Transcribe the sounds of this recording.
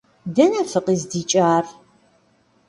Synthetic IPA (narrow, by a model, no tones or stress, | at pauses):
dɐnɐfɨqʼiːzdiːt͡ʃʼaːr